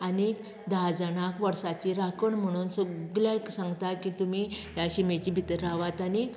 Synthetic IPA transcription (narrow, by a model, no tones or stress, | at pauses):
ənek | d̪ʱad͡zaɳakʋəɾsat͡ɕiɾakʰəɳm̤əɽ̃uːnsɔɡljaeksãŋɡt̪akit̪umijjaɕimet͡ɕibʱit̪ɾaʋat̪anik